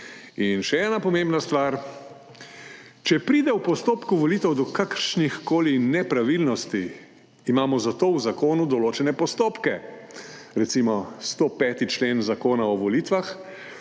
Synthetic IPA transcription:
inʃɛɛːnapɔmembnast̪ʋaːɾ | t͡ʃɛpɾiːd̪ɛwpɔst̪oːpkuʋɔliːt̪ɛwd̪ɔkakəɾʃnixkoːlinɛpɾaʋilnɔst̪iː | maːmɔzat̪oːwzakoːnud̪ɔloːt͡ʃɛnɛpɔst̪oːpkɛ | ɾɛt̪simɔst̪opɛːt̪it͡ʃleːnzakoːnaɔʋɔliːt̪ʋax

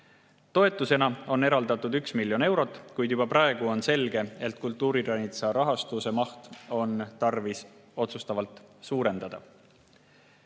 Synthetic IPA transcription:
t̪o̞e̞t̪ːˑuse̞nɑo̞ne̞ɾɑld̪̥ɑt̪ːˑud̪yksmilːjo̞ne̞wɾo̞t̪ːˑkujd̪̥jub̥ɑprɑe̞ɡ̥uo̞nse̞lɡe̞et̪ːˑkult̪ːˑuːɾiɾɑnʲit̪sɑɾɑɦɑst̪use̞mɑht̪o̞nt̪ɑrviso̞t̪sust̪ɑvɑlt̪ˑsuːɾe̞nd̪̥ɑd̪̥ɑ̰

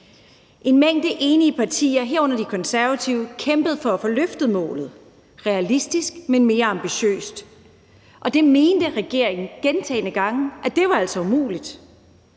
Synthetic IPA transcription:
ʔe̝nmeŋ̰d̥eʔe̝ːniəpʰɑ̈t͡sʰḭːɐɦeɐ̰ɔ̽n̰ɐd̥ikʰɒ̽nsæɐʋæt͡sʰiʊəkʰemb̥əð̞̩ˠfɒ̽æfɒ̽løfd̥ð̞̩ˠmɔ̰̽ːlð̞̩ˠ | ʁɛælisd̥isɡ̥menme̝ːɐɑ̈mb̥iɕø̰ːsd̥ | ʔɒ̽d̥e̝me̝ːnd̥əʁɛɡ̥e̝ɐ̰eŋn̩ɡ̥ent͡sʰɛ̰ːnəɡ̥ɑ̈ŋ̩ʔæd̥e̝ʋɑ̈æl̰sɒ̽umṵːlid̥

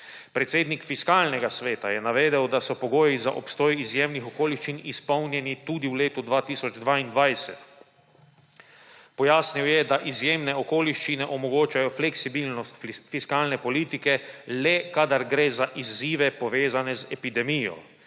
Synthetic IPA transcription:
pɾɛt̪seːd̪nikfiskaːlnɛɡasʋeːt̪ajɛnaʋeːd̪ɛwd̪asɔpɔɡoːjiza̰ʔɔpst̪oːjizjeːmnixɔkoːliʃt͡ʃinispɔwnjɛnit̪uːd̪iwleːt̪ud̪ʋaːt̪iːsɔd͡ʒd̪ʋaːind̪ʋajsɛt̪ | pɔjaːsniwjɛd̪aʔizjeːmnɛɔkoːliʃt͡ʃinɛʔɔmɔɡoːt͡ʃajɔflɛksibilnɔst̪fiskaːlnɛpɔliːt̪ikɛlɛkad̪aɾɡɾeːzaʔizːiːʋɛpɔʋeːzanɛzɛpid̪ɛmiːjɔ̰

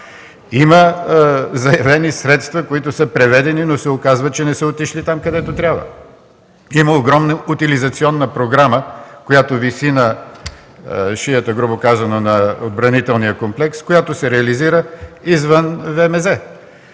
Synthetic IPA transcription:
imə | zɐjɐvɛnisɾɛt̪st̪vɐkoit̪ʊsəpɾɛvɛd̪ɛninosɛokazvɐt̪̚t͡ʃɛnɛsəot̪iʃlit̪amkɐd̪ɛt̪ot̪ɾʲabvə̰ | iməoɡɾɔmnəut̪ilizɐt̪siɔnːəpɾoɡɾaməkojat̪ovisinə | ʃiət̪əɡɾubokazɐnonɐod̪̚bɾɐnit̪ɛlˠnijəkomplɛkskojat̪osɛɾɛɐliziɾəizvənvɛmɛzɛ

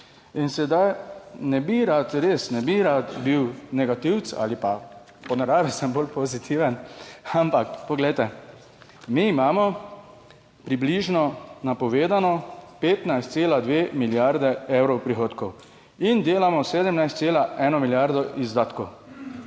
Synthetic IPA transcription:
insɛd̪ajnɛbiɾat̪ɾeːsnɛbiɾat̪biwnɛɡat̪iw̪t͡ssa̰ːlipa | pɔnɛɾaːʋisɛmbolpɔzit̪ʰiʋənampakpɔɡlɛjt̪ɛ | miːmaːmɔ | pɾibliʒnɔnapɔʋeːd̪anɔpeːt̪najst̪seːlad̪ʋeːmiljaɾd̪ɛewɾɔwpɾixoːt̪kɔw | ind̪eːlamɔseːd̪əmnajst̪seːlaʔɛːnɔmiljaɾd̪ɔʔizd̪aːt̪kɔw

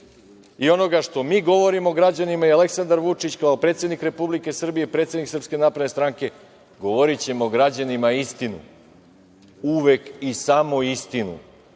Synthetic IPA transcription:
io̞no̞ɡaʂt̪o̞miːɡo̞ʋo̞ɾimo̞ɡɾad͡ʑanimaiale̞ksand̪aɾʋut͡ʂit͡ɕkaopɾet̪sʲed̪nikɾe̞publike̞sr̩bijeipɾe̞ːt̪sjed̪niksrpske̞naːpɾed̪nest̪ɾaŋke̞ | ɡoʋo̞ɾit͡ɕe̞moɡɾad͡ʑanimaist̪inṵ | uʋe̞kisamoist̪inṵ

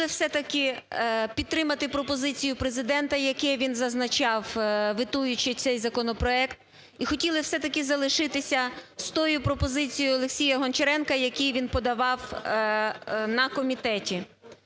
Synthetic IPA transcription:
ɪwsɛt̪ɐkɪpʲid̪̚t̪ɾɪmɐt̪ɪpɾɔpɔzɪt͡sʲijʊpɾezɪd̪ɛnt̪ɐjɐkɛʋʲinzɐznɐt͡ʃɑwʋɪt̪ujʊt͡ʃɪt̪sɛjzɐkɔnɔpɾɔɛkt̪ | ixɔtʲilˠɪwsɛt̪ɐkɪzɐlˠɪʃɪt̪ɪsʲɐst̪ɔjʊpɾɔpɔzɪt͡sʲijʊjʊɔlˠeksʲijɐɦɔnt͡ʃeɾɛnkɐjɐkijʋʲinpɔd̪ɐʋɑw | nɐkɔmʲit̪ɛtʲi

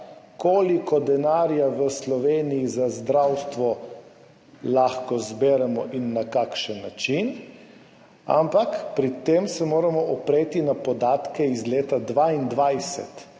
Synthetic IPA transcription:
koːlikɔd̪ɛnaːɾjaʋəslɔʋeːnijizazd̪ɾawst̪ʋɔ | laxkɔzbɛːɾɛmɔʔinːakakʃənːat͡ʃin | a̰mpakpɾit̪eːmsɛmoːɾamɔʔɔpɾeːt̪inapɔd̪aːt̪kɛizleːt̪ad̪ʋaind̪ʋajsɛ̰t̪

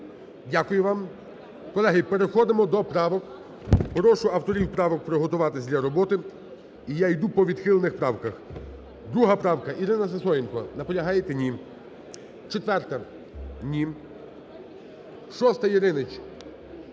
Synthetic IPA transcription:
dʲakʊjʊʋɑm | kɔlˠɛɦɪpeɾexɔd̪ɪmɔd̪ɔpɾɑʋɔk | pɾɔʃʊɐwt̪ɔɾʲiwpɾɑʋɔk̚pɾɪɦɔt̪ʊʋɑt̪ɪzʲdlʲɐɾɔbɔt̪ɪ | ijajd̪upɔʋʲid̪xɪlˠenɪxpɾɑwkɐx | d̪ɾuɦɐpɾɑwkɐʔiɾɪnɐsesɔjɪnkɔnɐpɔlʲɐɦɑjet̪enʲim | t͡ʃet̪ʋɛrt̪ɐ | nʲim | ʃɔst̪ɐjiɾɪnɪt͡ʃʲ

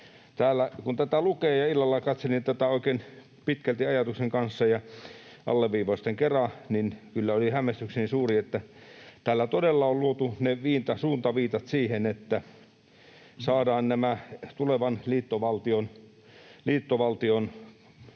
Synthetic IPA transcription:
t̪æːlːækunt̪æt̪ælukeːjɑilːɑlːɑkɑt̪selint̪æt̪æoˑikeːn | pit̪kælt̪iɑjɑt̪ukseŋkɑnsːɑjɑ | ʔɑ̰lːeʋʋiːʋost̪eŋkerɑninkylːæolihæmˑest̪yksenisuːriet̪ːæ | t̪æːlːæt̪odelːɑolluot̪uneʋiːnt̪ɑsuːnt̪ɑʋiːt̪ɑt̪siːhenet̪ːæ | sɑːdɑːnnæmæt̪uleʋɑnliːt̪ːoʋɑlt̪ion | liːt̪ːoʋɑlt̪ion

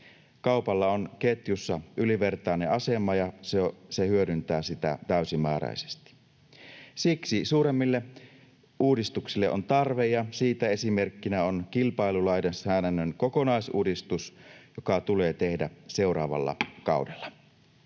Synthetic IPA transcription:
kɑupɑlːɑo̞nket̪jusːɑʔyliʋert̪ɑˑeneɑse̞mɑjɑseosehyødynt̪æːsit̪æ̰t̪æysimæːɾɑ̰ise̥st̪i̥ | siksisuːɾemːilːe | uːdist̪uksilːeʔont̪ɑrʋejjɑsiːt̪æe̞sime̞rkːinæonkilpɑilulɑjdensæːnænːøŋko̞ko̞nɑisṵːdist̪usjokɑt̪ule̞ːt̪ehdæse̞uɾɑ̰ːʋɑ̰lːɑ̰kɑ̰wdelːɑ̥

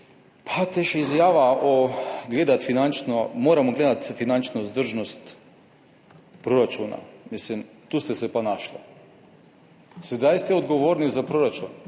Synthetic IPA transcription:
pʰat̪ɛʃizjaːʋaoɡleːd̪at̪finant͡ʃnɔmoːɾamɔɡleːd̪at̪finant͡ʃnozd̪əɾʒnɔst̪ | pɾoɾat͡ʃuna̰mislimt̪uːst̪ɛsɛpanaːʃlɔ | sɛd̪ajst̪ɛod̪ɡoʋoːɾnizapɾoɾat͡ʃun

